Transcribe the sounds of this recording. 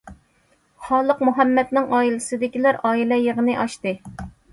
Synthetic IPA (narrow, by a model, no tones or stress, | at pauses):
χɑːlˠəqmuɦɛmːɛt̪nɪŋɑːilɨsɪd̪ɪkʲilæɾɑːilɛjeʁənɨʔɑʃt̪ɨ